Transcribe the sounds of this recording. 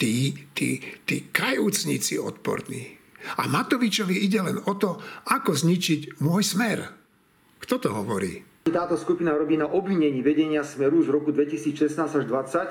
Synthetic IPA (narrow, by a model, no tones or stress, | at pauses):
t̪iːt̪ḭːt̪iːkajuːt͡sɲḭt͡siɔ̰t̪pɔ̰ɾnḭːa̰mat̪ɔʋit͡ʃɔʋiiɟɛlɛnɔt̪ɔakɔzɲit͡ʃiɟmʊɔjsmɛɾ | kt̪ɔt̪ɔɦɔʋɔɾḭː | it̪aːt̪ɔskupinaɾɔbiːnaʔɔbʋiɲɛɲiːʋɛɟɛɲɪasmɛɾuːʒʋɾɔkud̪ʋɛcisiːt͡sʃɛsnaːzaʒd̪ʋat͡sac